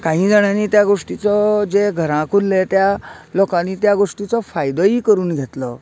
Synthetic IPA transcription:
kaɦĩːd͡zaɽ̃aniːt̪jaɡoʂʈit͡sɔd͡zeɡʱəɾãkʰullet̪jalɔkanit̪jaɡoʂʈit͡sɔfajd̪əiːkəɾuːnɡʱet̪lə

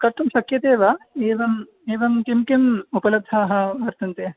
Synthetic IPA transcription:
kɐɾʈ̪ʰːumʃɐkjɐt̪eːʋɐeːʋɐm | eːʋɐmkimkimupɐlɐd̪ʱaːɦɐ̆ʋɐɾt̪ɐnt̪eː

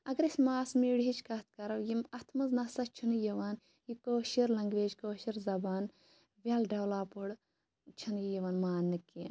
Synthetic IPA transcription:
ɐɡɾisʲmaːsmiːɽɦit͡ʃʰkɐt̪̚ʰkɐɾɐwjimɐt̪ʰmɐznɐsɐt͡ʃʰunjɐʋaːn | jikoːʃiɾlɐŋɡʋeːd͡ʒkoːʃiɾzɐbaːn | ʋʲɐlɖɐwlaːpuɽ | t͡ʃʰɐnjijiʋɐnmaːnːɨki

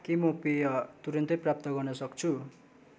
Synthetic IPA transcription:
kemʌpejʌt̪uɾʌnt̪ʌjprap̚t̪ʌɡʌrnʌsʌkt͡sʰu

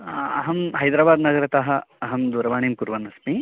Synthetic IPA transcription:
ɐɦɐmɦɐjd̪ɾaːbaːd̪nɐɡɐɾɐt̪ɐɦɐɐɦɐmd̪uːɾɐʋaːɳiːmkuɾʋɐnɐsmi

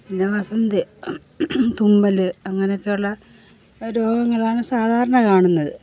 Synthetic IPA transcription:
pindeʋɐsɐnd̪i | t̪umːɐlɨɐŋːɐnejo̞kːejuɭːɐ | ɾo̞ːɡɐŋːɐɭaːɳɨsaːd̪ʱaːɾɐɳɐkaːɳunːɐðɨ̰

